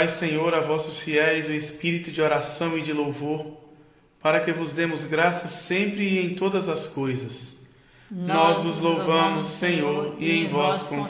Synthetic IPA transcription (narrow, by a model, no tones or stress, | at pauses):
jsẽɲoɾavɔsʊsfiɛjzʊespiɾit̪ʊd͡ʒɪoɾasɐ̃w̃ɪd͡ʒɪlowvoɾ | paɾɐkɪvʊzd̪ẽmʊzɡɾasɐsẽmpɾɪːẽj̃t̪od̪ɐzɐskojzɐs | nɔzvʊzlowvɐ̃mʊsːẽɲoɾɪẽj̃vɔskõ